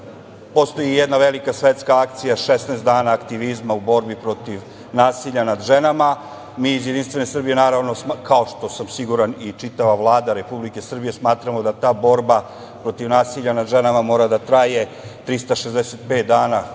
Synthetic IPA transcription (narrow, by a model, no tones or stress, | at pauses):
post̪ojijed̪naʋelikasʋet̪skaak̚t̪sijaʃesnaːst̪d̪aːnaːkt̪iʋizmaubo̞ɾbipɾo̞t̪iʋ | naːsiʎanad̪ʒenama | miːzjed̪inst̪ʋe̞ne̞sr̩bije̞naːɾaʋno̞kʰao̞ʃt̪o̞samsiɡuɾanit͡ʃit̪aʋaʋlˠaːd̪aɾe̞publike̞sr̩bije̞smaːt̪ɾamo̞d̪at̪aːbo̞ɾba | pɾo̞t̪iʋnaːsiʎanad̪ʒenamamo̞ːɾad̪at̪ɾaje̞ | t̪ɾist̪aʃezd̪eset̪̚peːt̪̚d̪aːna